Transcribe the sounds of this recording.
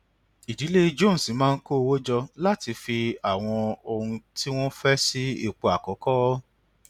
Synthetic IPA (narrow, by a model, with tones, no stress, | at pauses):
i˨d͡ʒi˨˦le˦˧d͡ʒõ˦˨n̩˨si˨˦mãː˦˧n̩˦ko˦o˧wo˦d͡ʒɔ˧la˦ti˧fi˧a˦˨w̃ɔ̃˧o˧ɾũ˧ti˦w̃ɔ̃˦fɛ˦si˦ḭ˦˨k͡po˧a˨kɔ˨˦kɔ˦